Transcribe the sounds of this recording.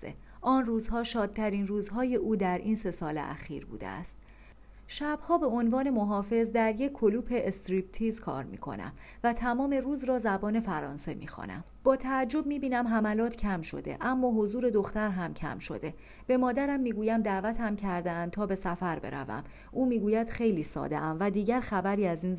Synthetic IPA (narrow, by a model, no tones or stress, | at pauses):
sḛ | ʔɒːnruːzhɒːʃɒːd̪̚t̪ʰæɾinruːzɦɒːje̞ʔuːd̪æɾʔiːnse̞sɒːlḛʔæ̰xḭːɾbṵːd̪ḛæ̰st̪ | ʃæb̥hɒːbe̞o̞nvɒːne̞moɦɒːfe̞zd̪æɾjecʰːoluːpʰe̞ʔest̪ɾiːp̚t̪ʰiːzkʰɒ̰ːɾmḭːkʰo̞̰næ̰m | væt̪ʰæmɒːme̞ruːzɾɒːzæbɒːne̞fæɾɒ̰ːnse̞mḭːxɒ̰næ̰m | b̥ɒːt̪ʰæːd͡ʒːo̞b̚miːbiːnæmɦæmælɒːt̪ʰcʰæmʃo̞̰d̪ḛʔæmːɒːɦo̞zuːɾe̞d̪o̞xt̪æɾɦæmcʰæ̰mʃo̞̰d̪e̞ | b̥e̞mɒːd̪æɾæmːiːɡuːjæmd̪æʔvæt̪ʰhæmcʰæɾd̪eæn̚t̪ʰɒːbe̞sæfæɾbe̞̰ɾæ̰væ̰m | ʔuːmiːɡuːjæd̪̥xe̞jliːsɒ̰ːd̪ḛʔæmvæd̪iːɟæɾxæbæɾiːæziːn